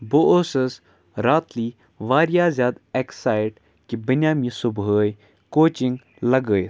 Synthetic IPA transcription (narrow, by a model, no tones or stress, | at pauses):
boosəs | ɾaːt̪liː | ʋaːɾjaːzʲjaːd̪eksaːjʈ | kibɐnjaːmĩsʊbɦəːj | koːt͡ʃɪŋɡ | lɐɡəː